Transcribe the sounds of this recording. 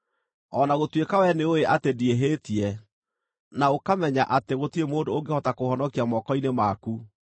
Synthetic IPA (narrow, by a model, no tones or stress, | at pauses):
ɔnaɣotwekawɛneoeʔatedieɦeːtiɛ | naokamɛɲaʔateɣotiemoːndooŋɡehɔtakohɔnɔkiamɔkɔinemaku